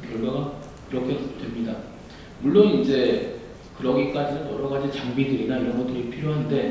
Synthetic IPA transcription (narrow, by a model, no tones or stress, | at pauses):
kjʌɭɡaɡa | kiɾʌkʰe̞d̥we̞mɲida | muɭːonid͡ʑe̞ | kɯɾʌɡik͈ad͡ʑinɯnjʌɾʌɡad͡ʑit͡ɕaŋbidɯɾinaiɾʌnɡʌt͈ɯɾiɭpʰiɾjoɦande̞